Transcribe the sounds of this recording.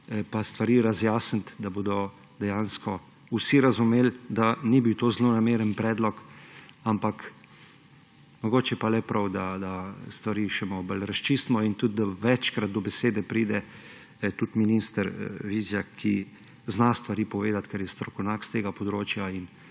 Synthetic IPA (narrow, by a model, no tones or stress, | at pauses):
past̪ʋaɾiːɾazjaːsənt̪d̪abod̪ɔ | d̪ɛjaːnskɔ | usiɾazumeːld̪anibiwt̪oːzlonameɾənpɾɛːd̪lɔkampak | mɔɡoːt͡ʃjɛpalɛpɾawd̪ad̪ast̪ʋaɾiʃɛmɔbəlɾast͡ʃist̪mɔint̪ut̪d̪aʋɛt͡ʃkɾad̪̚d̪ɔbɛseːd̪ɛpɾiːd̪ɛ | t̪ut̪minist̪əɾʋiːzjakʰi | znast̪ʋaɾiːpɔʋeːd̪at̪kɛɾjɛst̪ɾɔkɔwnakst̪eːɡapɔd̪ɾoːt͡ʃjain